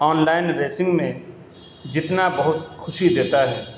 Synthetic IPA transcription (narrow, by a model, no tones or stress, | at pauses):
ɔːnlaːɪnɾeːsɪ̃ŋɡmẽ | d͡ʒɪt̪nabɐɦʊt̪̚kʰʊʃid̪eːt̪aɦɛː